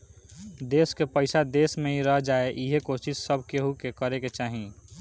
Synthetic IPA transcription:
d̪eːskepəɪsad̪eːsmẽiɾəɦd͡ʒaːeʔiɦekoːsɪssːəbʱkeɦukekəɾeket͡ʃaːɦĩ

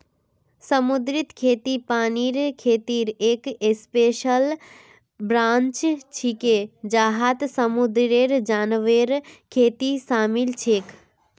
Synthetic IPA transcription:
səmud̪ɾit̪kʰeːt̪ipaːniɾkʰeːt̪iːɾeːkespeːʃəl | bɾãːnt͡ʃt͡ʃʰiked͡ʒaːɦat̪səmud̪ɾeɾd͡ʒaːnʋeɾkʰeːt̪isaːmilt͡ʃʰeːk

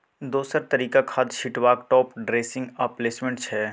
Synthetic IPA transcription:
d̪oːsəɾt̪ɐɾiːkakʰaːd̪ʃɪʈwaːkʈɔːpɖɾeːsɪ̃ŋɡɐpleːsmẽɳʈt͡ʃʰɛː

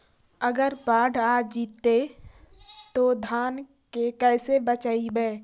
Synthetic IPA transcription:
əɡəɾpaːɖaːd͡ʒiːt̪ːe | t̪od̪ʱaːn | kekɛːsebət͡ʃaːibɛː

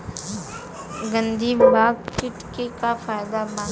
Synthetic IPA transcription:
ɡənd̪ʱibaːɡ̚kɪʈkekafaːjd̪abãː

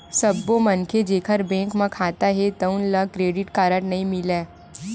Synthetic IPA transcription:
sɐbːõmɐnkʰed͡ʒeːkʰəɾbɛ̃ːŋkmãkʰaːt̪aɦɛt̪ɐʊnlakɾeːɖɪʈkaːɾəʈnɐɦĩmɪleː

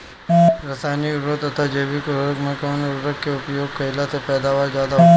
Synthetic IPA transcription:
ɾɐsaːniʊɾɾət̪ɐt̪ʰad͡ʒeːbikoɾoɾəkmẽkɔːnʊɾɾəkkeʊpjoːɡ̚kɐɪlat̪ʰepɛːd̪aːʋaːɾzjaːd̪aɦo

